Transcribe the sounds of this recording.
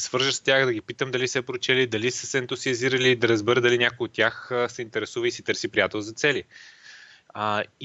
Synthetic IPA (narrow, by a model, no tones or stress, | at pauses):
svɤɾʒəst̪ʲjaxd̪ɐɡʲipit̪əmd̪ɐlisɛpɾot͡ʃɛlid̪ɐlisəsɛɛnt̪ʊziəziɾəliːd̪ɐɾɐzbɛɾəd̪ɐlinʲakojot̪ːʲjaxsɛint̪ɛɾɛsuvəisit̪ɤɾsipɾijat̪ɛlˠzɐt̪sɛli